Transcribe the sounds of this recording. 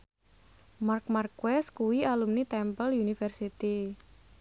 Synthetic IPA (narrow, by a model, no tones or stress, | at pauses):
mark̚markwɛskuwialumnit̪ɛmpəljunifɛrsit̪i